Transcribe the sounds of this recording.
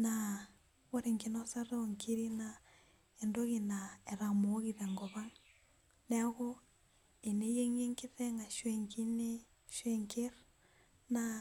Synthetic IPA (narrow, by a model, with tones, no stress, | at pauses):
na | wo˦ɾeŋki˨no˦sa˦ɾe˦oŋkʰi˦ɾi˦na | e˨ndo˦ɣi˨nae˨ɾa˨moː˦ɣiðe˨ŋɡɔβa˦ŋ | nɛa˦ɣo˦ | e˨ne˦je˦ŋe˦ŋki˦ðe˦ŋa˨ʃwe˨ŋki˦ne˦ | ʃwe˦ŋkʰe˦ɾ | na